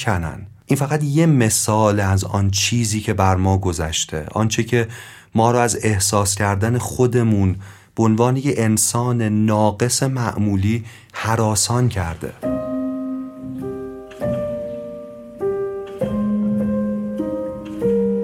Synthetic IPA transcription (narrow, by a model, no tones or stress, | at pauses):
ænæ̰nʔiːnfæɣæt̪je̞me̞sɒːleæzɒ̰nt͡ʃʰiːziːcʰe̞bæɾmɒːɡo̞zæ̰ʃt̪ʰe̞̰ʔɒ̰nt͡ʃʰecʰe̞ | mɒːɾɒæze̞hsɒːscʰæɾd̪æne̞xo̞d̪e̞muːn | b̥eonvɒːnejeensɒːnenɒːɡe̞se̞mæʔmuːliː | hæɾɒːsɒːncʰæɾd̪e̞̰